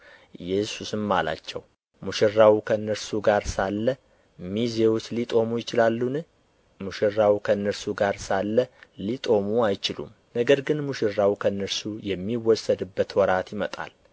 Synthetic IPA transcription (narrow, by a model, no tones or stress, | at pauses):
ʔɨjɛsusɨmːa̰la̰t͡ʃːɛw | muʃɪrːawukʰənːəɾsuɡaɾsalːə | mizewut͡ʃlit̪ʼo̞mujɪt͡ʃɪlalːunɨ | muʃɪrːawukʰənːəɾsuɡaɾsalːəlit̪ʼo̞muajt͡ʃɪlṵm | nəɡəɾɡɨnmuʃɪrːawukʰənːəɾsujɛmːiwɔsəd̪ɨbːət̪wɔɾat̪jɪmət̪ʼa̰l